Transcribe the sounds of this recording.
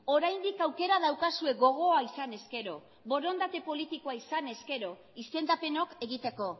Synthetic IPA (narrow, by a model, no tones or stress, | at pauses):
o̞ɾajnd̪ikawke̞ɾað̞awkasue̞ɡo̞ɣ̞o̞aisane̞ske̞ɾo̞ | βo̞ɾo̞nd̪at̪e̞po̞lit̪ikoaisane̞ske̞ɾo̞ | ist̪e̞nd̪ape̞no̞ke̞ɣ̞it̪e̞ko̞